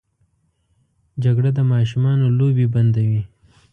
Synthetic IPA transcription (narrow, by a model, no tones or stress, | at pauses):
d͡ʒaɡɽad̪əmɑʃumɑnolobeband̪awi